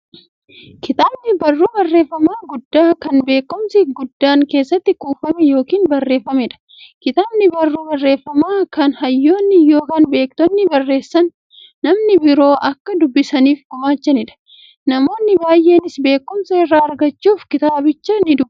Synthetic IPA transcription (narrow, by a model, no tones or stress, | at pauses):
kɪt̪aːbnɪbɐrːuːbɐrːe̞ːfːɐmaːɡʊd̪ːaːkɐnbe̞ːkːʊmsɪɡʊd̪ːaːŋke̞ːsːɐt̪ːɪkuːfɐmɛjo̞ːkiːnbɐrːe̞ːfːɐmɛᶑɐ̥ | kɪt̪aːbnɪbɐrːuːbɐrːe̞ːfːɐmaːkɐnhɐjːo̞ːnːɪjo̞ːkɐːnbe̞ːkt̪ɔnːɪbɐrːe̞ːsːɐnː | ɐmnɪbɪɾo̞ːʔɐkːɐd̪ʊbːɪsɐniːfɡʊmaːt͡ʃːɐnɪᶑɐ̥ | nɐmo̞ːnːɪbaːjʔe̞ːnɪsbe̞ːkːʊmsɐɪrːaːɐɾɡɐt͡ʃːuːfkɪt̪aːbɪt͡ʃːɐnɪd̪ʊb